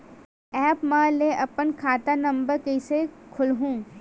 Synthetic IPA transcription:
ɛːpmãleʔɐpənkʰaːt̪anɐ̃mbəɾkeɪsekʰʊlɦũː

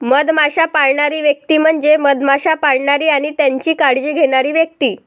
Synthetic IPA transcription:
məd̪maɕapaɭɳaɾiːʋjək̚t̪iːm̤əɳd͡ʑeməd̪maɕapaɭɳaɾiːaɽ̃it̪jaɲt͡ɕiːkaɽd͡ʑiːɡʱeɽ̃aɾiːʋjək̚t̪iː

